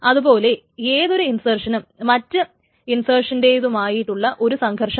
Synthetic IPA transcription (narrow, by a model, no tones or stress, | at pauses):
ɐðubo̞ːle̞ | eːðo̞ɾuinsɐːrʂɐnɨmɐtːɨ | insɐːrʂɐnde̞ːjðumaːjiʈːuɭːɐʔo̞ɾusɐŋkʰɐrʂɐ